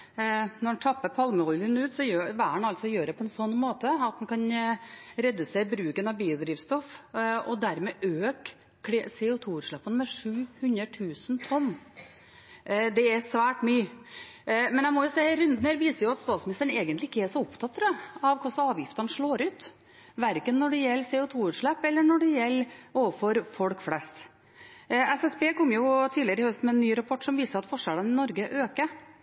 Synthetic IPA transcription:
nɔɾnt̪ʰɑpːəpʰɑlməɔlənʉːt̪sɔjøːʋæːɳɑlt̪sɔjøːɾd̪ɛpʰɔɛnsɔnːmoːt̪əɑt̪̚d̪ɛnkʰɑn | ɾɛd̪ːəsæɪbɾʉːkənɑʋbiːʊd̪ɾiːʋst̪ɔfɔd̪æɾmɛʔøːk | sɛʊt̪ʰuːʉːɾʂɭɑpːənmɛʂʉːhʉnɾəʈʰʉːsənt̪ʰɔnː | d̪ɛɛsʋæːʈmyː | mɛnæɪmɔjʊsehɾʉnd̪nhəɾʋiːsəɾjʊɑt̪st̪ɑːt̪smɪnɪst̪əɳeɡənt̪lɪɪkːəɛʂɔʊpt̪ʰɑt̪ːɾəɑʋkʰʊsɑːʋjɪft̪ɑnəʂɭoːɾʉːt̪ | ʋæɾkənːɔɖɛjɛlːseːʊt̪ʰuːʉːɾʂɭɛpːɛlːəɳɔɖɛjɛlːoːʋəfɔɾfɔlkflɛst̪ | ɛsɛsbeːkɔmːjʊt̪ʰiːlɪəɾəɪhœst̪mɛɛnːyːɾɑpʰɔʈːsɔmʋiːsəɾɑt̪fɔʂæɽənɪnɔɾɡəʔøːkə

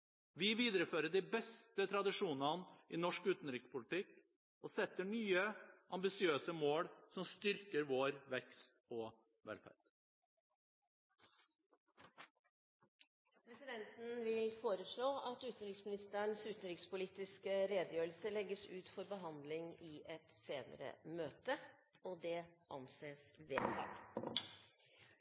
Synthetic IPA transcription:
ʋɪʋiːd̪ɾəføːɾəɖɪbɛst̪ət̪ʰɾɑd̪ɪʂuːnɑnɪnɔʂkʉːt̪n̩ɾɪkspʊlɪt̪ʰɪk | ɔsɛt̪ːəɳyːəʔɑmbɪsɪøːsəmoːɽsɔmst̪ʏɾkəɾʋoɾʋɛkst̪ɔ | ʋɛ̰lfæ̰t̪ | pʰɾɛsɪd̪ɛnt̪n̩ʋɪlfoːɾəʂɭoːɑt̪ʉːt̪nɾɪksmɪnɪst̪əɳsʉːt̪nɾɪkspʊliːt̪ɪskəɾeːd̪əjøːɾlsəlɛɡəsʉːt̪fɔɾbəɦɑnd̪lɪŋɪʔɛt̪seːnə̰ɾə̰møːt̪ə | ɔd̪ɛʔɑ̰nseːsʋḛːfʰæ̰ɾ

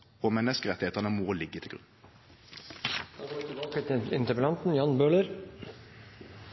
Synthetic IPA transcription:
ɔmɛnːəskəʁɛt̪ɪheːt̪əʁnəmɔːlɪɡːət̪ʰɪlɡʉ̰n | ɑkət̪ɪnt̪əɾpəlɑnt̪n̩jɑnbøːləɾ

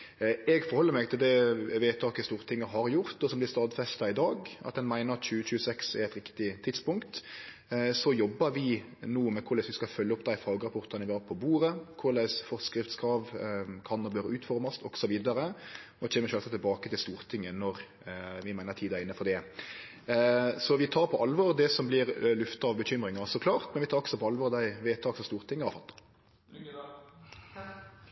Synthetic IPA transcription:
ɛɡfɔɾhɔlːəɾmɛɪɡ̚t̪ʰɪld̪ɛʋeːt̪ʰɑːkəst̪uːɾt̪ʰɪŋːəɦɑɾjʊɾt̪ɔsɔmb̪ɪɾst̪ɑːd̪fɛst̪ɑɪd̪ɑːɡʔɑ̰t̪̚d̪ɛnmæɪnəɾɑt̪c͡çʉːət͡ʃʉːəsɛksɛɾɛt̪ɾɪkt̪ɪt̪ʰɪt̪spʊŋkt̪ | sɔjɔbːəɾʋɪ | nuːmɛkʰʊɾlæɪsʋɪskɑfœlːəɔpːd̪æɪfɑːɡəɾɑpʰɔʁt̪ɑnəʋɪhɑɾpʰɔbuːɾəkʰʊɾlæɪsfɔɾskɾɪft̪skʰɾɑːʋkʰɑnɔɾb̪øːɾəʉːt̪fɔɾmɑst̪ɔɡsɔʋiːd̪ɑɾə | ɔc͡çɛːnəʃøːlsɑt̪ʰːɪlbɑːkət̪ɪlst̪uːɾt̪ʰɪŋːənɔɾ | ʋɪmæɪnəɾt̪ʰiːd̪æɾɪnːəfɔɾd̪ɛ | sɔʋɪt̪ʰɑːɾpʰɔʔɑlʋɔːɾd̪ɛsɔmblɪɾlʉft̪ɑɑʋbəçʏmɾɪŋɑsɔkʰlɑːɾt̪mɛnʋɪt̪ɑːɾɔksɔpɔɑlʋɔːɾd̪æɪʋeːt̪ʰɑːksɔst̪uːɾt̪ʰɪŋːəɑfɑt̪ːɑ̥

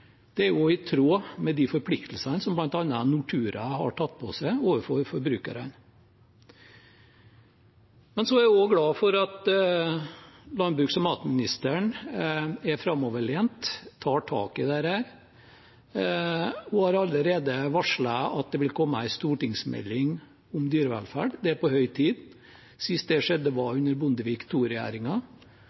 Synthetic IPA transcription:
d̪̥ɛæɾjʊɪt̪ʰɾoːmɛd̪ifɔɾpʰlɪkt̪ʰl̩sənsɔmblɑnt̪ɑnːɑnʊʈ̪ʰʉːɾəhɑ̰ʈʰɑt̪ːpʰɔ̰sæɪoːʋəfɔɾfɔɾbɾʉːkə̰ɾə̰n | mɛnsɔæɾɔɡɽɑːfɔɾɑt̪ | lɑnd̪bɾʉksɔmɑːt̪mɪnɪst̪əɳ | æɾfɾɑmːɔʋəɭeːnt̪ʰːɑːʈʰɑ̰ːkəd̪æɾhæːɾ | ɔhɑːɾɑləɾeːd̪əʋɑʂɭɑɑt̪̚d̪ɛʋɪlkʰɔmːəæɪst̪uːʈɪŋsmɛ̰lːɪŋ | ʊmd̪yːɾəʋæ̰lfæ̰ːɖd̪ɛæɾpɔhœʏt̪ʰiːd̪ | sɪst̪̚d̪ɛʂɛd̪ːəʋɑʉnːəɾbʊnd̪əʋiːkt̪ʰuːɾɛjæ̰ːɾɪŋɑ

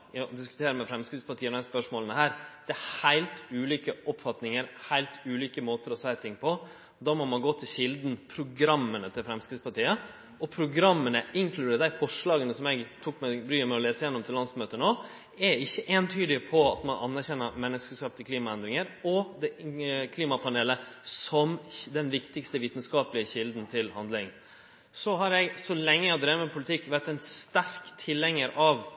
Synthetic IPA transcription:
ɔd̪ɪskʉ̥t̪ʰeːɾəmɛfɾɛmskɾɪt̪spɑʈʰiːəɔæspœʂmoːlənəhæːɾd̪̥ɛhæɪlt̪ʉːliːkəʔɔpfɑt̪nɪŋəɾhæɪlt̪ʉːliːkəmoːt̪əɾɔseɪt̪ʰɪŋpʰɔ | d̪ɑːmɔmɑnɡoːt̪ʰɪlɕɪld̪npʰɾʊɡɾɑmːənət̪ʰɪlfɾɛmskɾɪtspɑʈiːə | ɔpʰɾʊɡɾɑmːənəʔɪŋkʰlʉd̪ːd̪æɪfɔʂɭɑːɡənəsɔmɛɡt̪ʰuːkmɛbɾyːəmɛɔleːsəjɛnːɔmt̪ʰɪllːɑnsmøːt̪ənoː | ɛɪçːəʔeːnt̪ʰyːd̪ɪpʰɔɑ̰t̪mɑnʔɑ̰nːæɾçɛnːəɾmɛnːəskəskɑːpt̪ʰɪkʰliːmɑɛnd̪ɾɪŋəɾɔd̪ɛkʰliːmɑpʰɑneːləsɔmd̪ɛnʋɪkt̪ɪkst̪əʋiːt̪nskɑːpəlɪəçɪld̪n̩t̪ʰɪlhɑnd̪lɪŋ | sɔɦɑɾjɛɡsɔlɛŋːəjæhɑd̪ɾemɛpʰʊlɪt̪ʰɪkːʋæɾʈ̪ːɛɪnst̪æɾkt̪ʰɪlːɛŋːəɾɑʋ

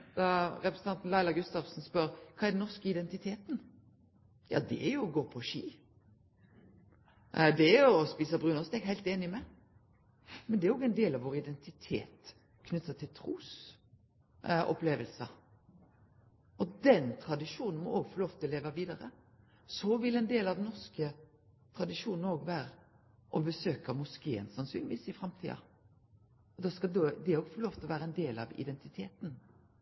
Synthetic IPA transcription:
d̪̥ɑɾɛpɾəsn̩ɑnt̪n̩læɪlɑɡʉst̪ɑʋsn̩spœɾkʰɑːɛɾd̪ɛnnɔʁskəɪd̪ɛnt̪ɪt̪ʰeːt̪n | jɑ̰ːd̪ɛ̰æɾjʊɔɡoːpʰɔʃḭː | d̪ɛæjʊɔspiːsəbʁʉːnɔʁst̪eːɡhæɪlt̪eːnɪmɛ | mɛnd̪ɛæɾjɔɡɛɪnd̪eːlɑʋoːɾɪd̪ɛnt̪ɪt̪ʰḛːt̪ | kʰnʉt̪sət̪ʰɪlt̪ʰɾuːs | ɔ̰pleːʋəlsə | ʔɔd̪ɛnt̪ʰʁɑd̪ɪʂuːnn̩mɔ̰ʔoːɡfɔloːft̪ʰɪleːʋəʋiːd̪ɑɾə̰ | sɔʋɪlɛnd̪eːlɑʋd̪ɛnɔʁskə | t̪ʰʁɑd̪ɪʂuːnn̩oːɡʋæːɾə | ʔɔbəsøːkɑmʉskeːənsɑnsy̰ːnɪʋiːsɪfɾɑmt̪ʰḭːɑ̰ | ɔd̪ɑskɑd̪d̪ɛæɾɔːɡfɔloːft̪ʰlɔʋæːɾəɛɪnd̪eːlɑʋɪ̰d̪ɛnt̪ɪt̪ʰeːt̪n̩

